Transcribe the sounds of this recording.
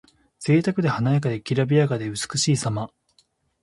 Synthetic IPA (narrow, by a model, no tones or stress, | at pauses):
z̥e̞ːt̪akɯ̟d̪e̞hanaekad̪e̞kʲiɾabʲiaɡad̪e̞ɯ̟t͡sɨ̥kɯ̟ɕiːsama